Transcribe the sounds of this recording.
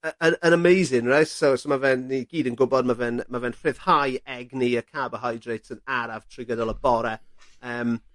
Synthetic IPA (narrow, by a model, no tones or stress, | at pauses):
əənənəmejzɪnrajtsosomavɛnːiɡ̥iːdənɡʊbɔd̚mavɛnmavɛnfɪð̥hajɛɡniəkʰabəɦajdrejtʰənaɾav̥tʰr̥ɪɡədɔlˠəbɔɾɛəːm